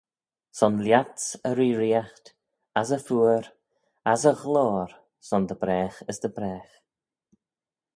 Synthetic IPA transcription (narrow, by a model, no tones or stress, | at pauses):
sɔnljatsəɾiːɾiaxt̪ | as̬əfuːəɾ | asəɣloːɾ | sɔnd̪əbɾɛːxəsd̪əbɾɛːx